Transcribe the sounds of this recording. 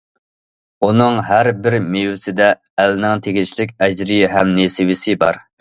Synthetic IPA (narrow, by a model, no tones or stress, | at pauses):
unɨŋɦæɾbɪɾmewɪsɪd̪ɛː | lnɪŋt̪ʰeɡʲit͡ʃʰlɪkʲɛd͡ʒɾiɦɛmnesɪwɪsɪbɑ̰ɾ